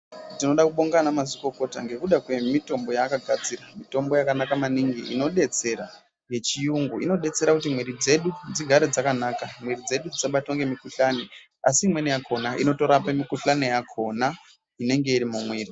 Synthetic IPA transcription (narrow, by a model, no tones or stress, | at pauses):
tino̞ɗakuɓo̞ŋɡanamaziko̞ko̞taŋɡe̞kuɗakwe̞mito̞mbo̞jaːkaɡʱad͡ziramito̞mbo̞jakanakamaniŋɡiʔḭno̞ɗe̞t͡se̞ɾa | je̞t͡ʃijuŋɡuino̞ɗe̞t͡se̞ɾakut̬imwiɾid͡ze̞ɗud͡ziɡʱaɾed͡zakanakamwirid͡ze̞ɗud͡zisaɓatoŋɡe̞mikuɬane | asiːmwenejakʰo̞naʔino̞to̞ɾapemikuɬanejakʰo̞na | ine̞ŋɡe̞iɾimumwiːri